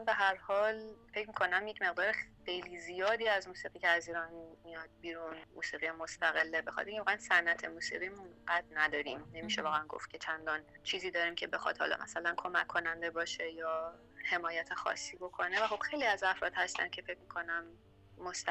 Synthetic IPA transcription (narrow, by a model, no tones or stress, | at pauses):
be̞ɦæɾhɒːlfecʰmiːkʰo̞næmjecʰme̞ɣd̪ɒːɾeːejliːzijɒːd̪iːæzmuːsiːɣiːceæziːɾɒnmijɒd̪̥̚biːɾunmṵːsiːɣijemost̪æɣe̞lːebexɒ̰d̪eiŋceɒːʁæænsænʔæt̪ʰemuːsḭɣiːmunɢæd̪næd̪ɒːɾiːmne̞miːʃevɒːɣæænɡo̰ft̪̚cʰe̞t͡ʃʰænd̪ɒːnt͡ʃʰiːziːd̪ɒːɾiːmcʰe̞be̞xɒ̰ːd̪̥hɒ̰ːlɒ̰mʔæ̰sælænkʰo̞mækʰːo̞nænd̪e̞bɒːʃe̞jɒː | he̞mɒːjæt̪ʰexɒ̰sːiːbo̞kʰo̞nevæxo̞b̥xejliːæzæfɾɒ̰ːd̪̥hæst̪æ̰ncʰe̞fe̞cʰmiːkʰo̞næmː | ost̪æ